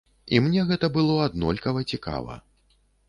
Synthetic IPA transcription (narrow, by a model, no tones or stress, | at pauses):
imnʲɛɣɛt̪ɐbɨlˠɔad̪nɔlʲkɐvɐt͡sʲika̰vɐ̰